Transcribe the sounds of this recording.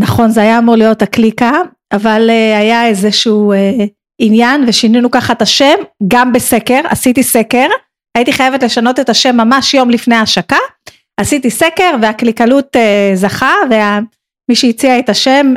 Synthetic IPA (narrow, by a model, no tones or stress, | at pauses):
naχo̞nzeajaːmuʁlijo̞taklika | avaleajaezeʃuːe | injanve̞ʃininukaχaet̪aʃe̞mɡambeseke̞ʁa̰sitise̞ke̞ʁ | aitiχajevetle̞ʃano̞te̞taʃe̞mːamaʃjo̞mlifnejaʃaka | asitise̞ke̞ʁveaklikalutezaχave̞a | miʃeit͡siaetaʃe̞m